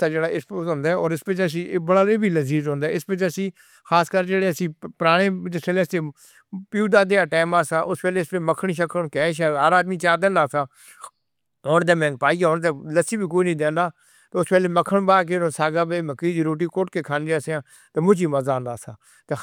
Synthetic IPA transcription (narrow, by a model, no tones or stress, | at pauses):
aːd͡ʒeːɽaːʔɪspoːzɦõːnd̪aːɛɔːɾɪspɪt͡ʃəs̬ĩːbəɽaːleːbiːləziːzɦõːnd̪aːɪspɪt͡ʃəsĩː | xaːskəɾd͡ʒeːɽeːəsĩːpɾaːɽ̃ẽːt͡ʃseːleːstẽː | puːd̪aːd̪eːaːʈɛːmaːsaːʔʊspɛːleːɪspet͡ʃməkʰːəɳ̃iːʃəkʰəɳkɛ̃ːʃaːaːɾaːd̪miːt͡ʃaːd̪ẽːnd̪aːsaː | ɦoːnt̪ẽːmɛ̃ːŋɡ̚paːiːɦoːnt̪eːləsiːbiːk̬oːinəĩːd̪ẽːnd̪aː | t̪eʊspɛːleːməkʰːəɳbaːk̬enõːsaːɡaːbeːməkːiːd̪iːɾoːʈ̬iːkoːʈkeːkʰaːnd͡ʒaːseãː | t̪eːmʊd͡ʒiːməzaːnd̪aːsaː | t̪eː